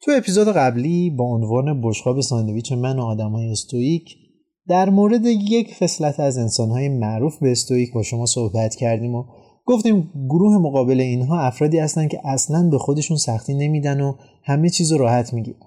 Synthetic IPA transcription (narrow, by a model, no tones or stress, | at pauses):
t̪ʰue̞pʰiːzod̪e̞ɣæbliːbɒːonvɒːne̞boʃxɒːbe̞sɒːnd̪eviːt͡ʃʰe̞mænoːd̪æmhɒːjeːst̪oicʰ | d̪̥æɾmoːɾe̞d̪e̞je̞cʰfe̞slæt̪ʰæze̞nsɒːnɦɒːjemæʔɾuːfbe̞ːst̪oiːcʰbɒːʃo̞mɒːsohbæt̪cʰæɾd̪iːmo | ɡ̥o̞ft̪iːmɡoɾuːɦe̞mo̞ɣɒːbe̞le̞inɦɒːæfɾɒːd̪iːhæst̪æncʰe̞̰ʔæslænbe̞xo̞d̪e̞ʃunsæxt̪ʰiːne̞miːd̪æno̞ | hæme̞t͡ʃʰiːzoɾɒːhæt̪ʰmiɡɟḭɾ